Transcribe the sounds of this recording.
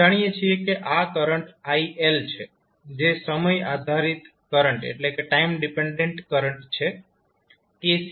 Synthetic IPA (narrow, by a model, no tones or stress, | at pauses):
aɽ̃ijet͡ʃʰiekeʔakəɾəɳʈaiʔelt͡ʃʰe | d͡ʒesəməjad̪ʱaɾit̪ | kəɾəɳʈḛʈlekeʈaimɖipeɳɖeɳʈkəɾəɳʈt͡ʃʰe | kes